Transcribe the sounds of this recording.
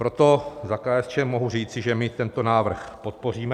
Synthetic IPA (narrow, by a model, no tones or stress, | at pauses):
pɾo̞t̪o̞zakaːɛst͡ʃɛːmo̞ɦur̝iːt͡sɪʒɛmɪt̪ɛnt̪o̞naːvr̩xpo̞t̪̚po̞r̝iːmɛ